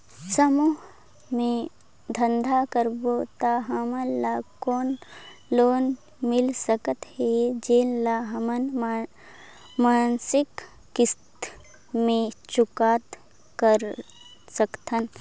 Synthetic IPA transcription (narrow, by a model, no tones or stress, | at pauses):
səmuːɦ | mẽ | d̪ʱə̃nd̪ʱakəɾboːt̪aɦəməlːakoːnloːn | mɪlsəkət̪hɛd͡ʒeːllaɦəmənm | maːnsɪkː | ɪst̪ | mẽt͡ʃʊkaːt̪ | kəɾ | səkt̪ʰən